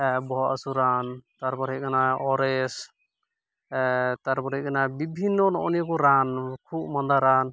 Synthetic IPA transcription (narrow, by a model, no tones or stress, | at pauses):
bɔɔasuɾant̪aɾpɔɾikʰanaɔɾɛs | t̪aɾpɔɾit̚kʰanabibʱinːɔnɔ̰ʔɔnijɔkɔɾankʰup̚mɔnd̪aɾan